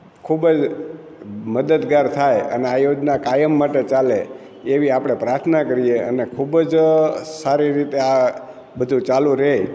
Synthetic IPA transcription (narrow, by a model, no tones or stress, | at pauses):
kʰubd͡ʒ | məd̪əd̪ɡaɾt̪ʰajə̰neajod͡ʒnakajəmːaʈet͡ʃaleː | ʋiapɽ̃epɾaɾt̪ʰnakəɾijeə̰nekʰubd͡ʒsaɾiɾit̪ea | bəd̪ʱũt͡ʃalũɾe